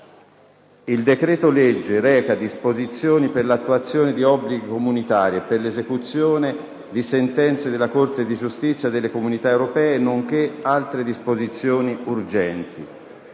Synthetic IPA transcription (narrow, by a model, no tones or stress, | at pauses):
ild̪ekɾɛːt̪olɛd͡ʒːeɾɛːkad̪ispozit̪sːjoːniperlat̪ːuat̪sːjoːned̪iɔbːliɡikomunit̪aːɾjeperlezekut̪sːjoːne | d̪isent̪ɛnt̪sed̪elːakort̪ed̪id͡ʒust̪it̪sːjad̪elːekomunit̪aewɾopɛːeːnːoŋk̟ealt̪ɾed̪ispozit̪sːjoːniurd͡ʒɛnt̪i